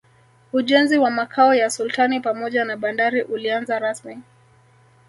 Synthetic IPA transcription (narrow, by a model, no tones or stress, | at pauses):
uʄɛnziwamakʰaɔjasultanipamɔʄanaɓandaɾiʔulianzaɾasmi